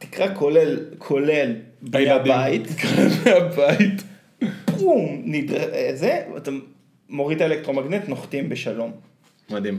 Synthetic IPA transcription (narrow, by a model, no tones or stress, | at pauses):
t̪i̥kʁakolelkʰolel | beabait̪kʁabmeabait̪ | pʁumnid̪ʁaezea̰t̪amː | oʁit̪aelek̚t̪ʁo̞maɡnet̪noχt̪imbeʃalo̞m | mad̪im